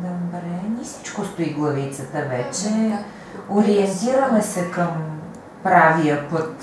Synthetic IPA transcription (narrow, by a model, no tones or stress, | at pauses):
d̪əbɾɛnʲisi̥t͡ʃkost̪oiɡlˠɐvit̪sət̪əvɛt͡ʃɛ | oɾiɛnt̪iɾəmɛsɛkəm | pɾaviəpɤt̪